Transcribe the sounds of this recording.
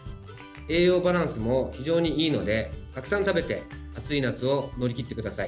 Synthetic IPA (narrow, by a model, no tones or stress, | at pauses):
e̞ːjo̞ːbaɾãɰ̃sɨmo̞çiʑo̞ːɲ̟iiːno̞d̪e̞k̪akɯ̟sãnt̪abe̞t̪e̞ | at͡sɨinat͡sɨo̞no̞ɾʲikʲit̪ːe̞kɯ̟d̪asai